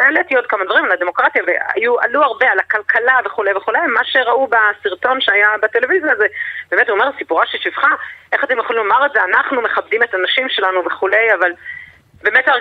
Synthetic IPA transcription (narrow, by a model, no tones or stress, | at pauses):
eletlijo̞tkamad̪vaʁimalad̪emo̞kʁat̪javea̰jua̰luaʁbe̞alakalkʰalave̞χule̞jve̞χulejmaʃe̞ʁaubasiʁto̞nʃeajabat̪e̞le̞vizijazebeːmetuomeʁasipuʁaʃiʃivχaʔe̞χatemjeχolimlomaʁeze̞anaχnumeχab̚dime̞tanaʃimʃe̞lanuveχule̞javal | bemeta